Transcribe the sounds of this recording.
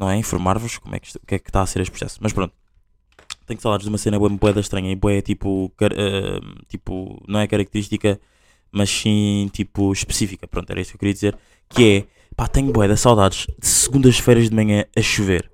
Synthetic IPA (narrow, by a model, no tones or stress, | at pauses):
nɐ̃w̃ɛĩfuɾmaɾvuʃkomwɛ̰kʃukɛkt̪aːseɾeʃpɾu̥sɛ̰su̥mɐʃpɾõnt̪u̥ | t̪ɛɲusawˠðad̪ʒd̪umɐsenɐβwɛmbuɛðɐʃt̪ɾɐɲɐibwɛt̪ipukɐɾʔɛ̰t̪ipṵnɐ̃w̃ɛkɐɾɐk̚t̪ɨɾiʃt̪ikɐ | mɐʃsĩt̪ʰipuʃpɨ̥sifikɐpɾõt̪ɛ̰ɾɐisukewkɾiɐd̪izeɾ | kɨɛ | pat̪ɛɲubwɛðɐsawˠðaðʒ̥d̪ɨsɨɣũnd̪ɐʃfɛjɾɐʒd̪mɐɲɐ̃ɐʃuveɾ